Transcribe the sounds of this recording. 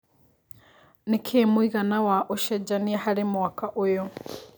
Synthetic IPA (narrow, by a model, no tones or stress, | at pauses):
nekʰeːmwiɣanawaʔoʃɛd͡ʒaniahaɾemwakaʔojɔ